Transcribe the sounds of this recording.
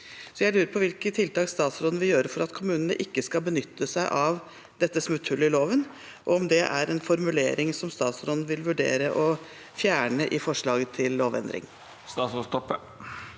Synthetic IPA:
sɔjæɪlʉːɾəɾpʰɔʋɪlkət̪ʰɪlt̪ɑːkst̪ɑːt̪sɾoːd̪n̩ʋɪjøːɾəfɔɾɑt̪kʰʊmʉːnənə̰ʔɪkːəskɑlbənʏt̪ːəsæɪʔɑʋ | d̪ɛt̪ːəsmʉt̪hʉlːəɪloːʋən | ʔɔɔmd̪ɛʔæ̰ɾɛnfɔɾmʉlḛːɾɪŋsɔmst̪ɑːt̪sɾoːd̪n̩ʋɪlʋʉɖḛːɾəʔɔ | fjæːɳəʔɪfɔʂɭɑːɡət̪ʰɪlːoːʋɛ̰nd̪ɾɪ̰ŋ | st̪ɑːsost̪ɔpːə

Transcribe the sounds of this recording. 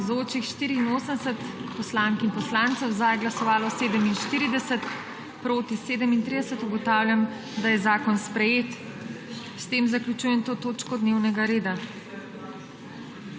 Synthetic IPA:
zoːt͡ʃixʃt̪iːɾiːnoːsənd̪ɛsət̪pɔslaŋkinpɔslaːnt̪sɔwzajɡlasɔʋaːlɔseːd̪əminʃt̪iːɾid̪ɛsət̪ | pɾoːt̪iseːd̪əmint̪ɾid̪ɛsət̪uɡɔt̪aːwljam | d̪ajɛzaːkɔnspɾɛjeːt̪ | st̪eːmzaklʲut͡ʃuːjɛnt̪oːt̪oːt͡ʃkɔd̪neːwnɛɡaɾeːd̪a

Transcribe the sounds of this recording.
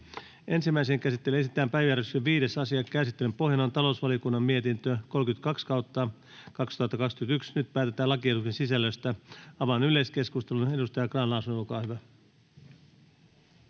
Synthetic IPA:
e̞nsimːæijseŋkæsit̪ːe̞lysit̪ːæːmpæjʋjæreksyʋiːde̞sɑsiɑkæsit̪ːelympo̞ɦjɑnont̪ɑlo̞usʋɑliokunːɑmmie̞t̪int̪øko̞lkyt̪kɑkskɑwt̪ːɑ | kɑkst̪uhɑt̪ːɑkɑkskyt̪yksnyt̪̚pæːt̪e̞t̪æːlɑkiet̪uksensisælːøst̪æɑʋɑnyle̞ske̞skust̪e̞lune̞dust̪ɑjɑkrɑːnlɑusunlukɑːhyʋæ

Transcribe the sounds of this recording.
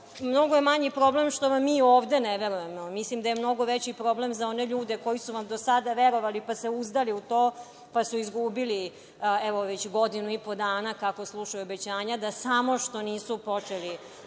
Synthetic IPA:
mno̞ɡojemaɲipɾoble̞mʃt̪o̞ʋamːiːoːʋd̪e̞neʋeɾujemomislimd̪aje̞mno̞ɡo̞ʋet͡ɕipɾo̞ːble̞mzao̞neʎuːd̪e̞ko̞jisuʋamd̪osad̪aʋeɾo̞ʋalipaseuzd̪aliut̪oː | pasuizɡubili | ɛʋo̞ʋet͡ɕɡo̞d̪inuipo̞d̪aːnakakoslˠuʂajuobe̞t͡ɕaːɲad̪asamo̞ʃt̪o̞niːsupo̞t͡ʂeli

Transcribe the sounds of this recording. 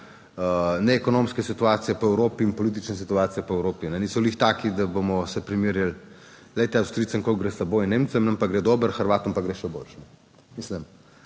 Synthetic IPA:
ənɛːkɔnomskɛsit̪uaːt̪sijɛpɔɛwɾoːpiːnpɔliːt̪̬it͡ʃnɛs̬it̪uaːt̪sijɛpɔɛwɾoːpinɛniːsɔliːxt̪aːkid̪abomɔsɛpɾimiɾjəl | let̪ɛawst̪ɾit̪səŋkolɡɾesɐboːjinːeːmt̪səmnɐmpaɡɾɛd̪oːbəɾxəɾʋaːt̪ɔmpaɡɾeʃɛbo̰ːlʃnɛ | misləm

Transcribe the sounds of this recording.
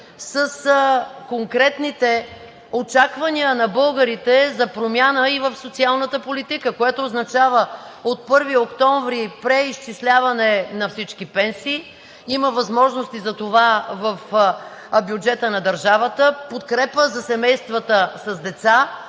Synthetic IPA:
səskoŋkɾɛt̪nit̪ɛ | ot͡ʃakvɐniənɐbɤlˠɡəɾit̪ɛzɐpɾomʲjanəivəfsot̪sialˠnət̪əpolit̪ikəkoɛt̪oːznɐt͡ʃavəot̪̚pɤɾviokt̪ɔɱvɾipɾɛiʃt͡ʃislʲavɐnɛnɐfsit͡ʃkipɛnsiː | iməvɐzmɔʒnost̪izɐt̪ovavəf | bjud͡ʒɛt̪ənɐd̪əɾʒavət̪əpot̪kɾɛpəzɐsɛmɛjst̪vət̪əsɐzd̪ɛt̪sa

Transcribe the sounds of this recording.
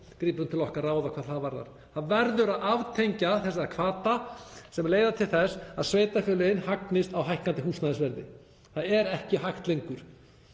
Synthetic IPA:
kɾiːpɾʏmt̪ʰɪlɔhkaraːwðakʰvaːðθaðvaɾða̰ɾ̥ | θaðvɛɾðʏɾaðavt̪ʰejɲcaθɛs̬aakʰvaːt̪asɛmleːjðat̪ʰɪlθɛsaðsveːjt̪afjœːlʏɪnːhaknɪst̪awɦajhkant̪ɪɦuːsnaðɪsvɛɾðɪ̰ | θaðɛɾɛhcɪɦajht̪lejŋkʏɾ̥

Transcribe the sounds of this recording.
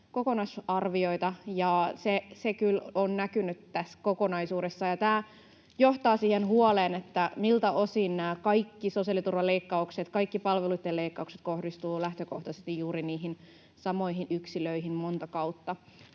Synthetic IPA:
kokonɑsɑrʋio̞it̪ɑjɑsesekylonnækynyt̪t̪æskokonɑisuːɾesːɑjɑt̪æː | joht̪ɑːsiːhenhuoleːnet̪ːæmilt̪æo̞sinnæːkɑikːisosiɑlit̪urʋɑleikːɑukset̪kɑikːipɑlʋeluit̪ːeleikːɑukset̪̚kohdist̪uːlæht̪økoht̪ɑsest̪ijjuːɾiniːɦin | sɑmo̞iɦinʔyksiløiɦimmo̞nt̪ɑkɑut̪ːɑ

